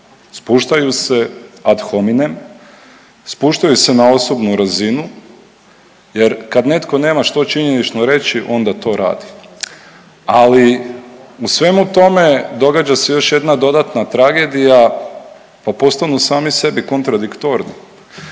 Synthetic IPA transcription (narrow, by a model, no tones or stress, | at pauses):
spuːʃt̪ajuse̞ad̪xominem | spuʃt̪ajuse̞nao̞so̞bnuɾazinu | je̞ɾkad̪ne̞t̪ko̞ne̞ːmaʃt̪o̞t͡ʃiɲe̞nit͡ʃnoɾe̞t͡ɕiʔo̞nd̪at̪o̞ːɾa̰ːd̪i̥ | ali | usʋe̞mut̪o̞me̞d̪o̞ɡad͡ʑase̞jo̞ʃje̞d̪nad̪o̞d̪at̪nat̪ɾaɡe̞d̪ija | papo̞st̪anusaːmise̞biko̞nt̪ɾad̪ikt̪o̞ɾnḭ